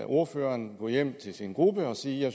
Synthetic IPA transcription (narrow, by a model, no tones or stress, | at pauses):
ʔo̝ɐføːɐnɡ̥ɔ̰̽jem̰t͡sʰe̝lsinɡ̥ʁub̥əɒ̽siːjɑ̈ɪ